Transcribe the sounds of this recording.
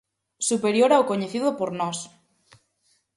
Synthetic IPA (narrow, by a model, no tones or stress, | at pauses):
supeɾjoɾawkoɲeθiðopoɾnɔs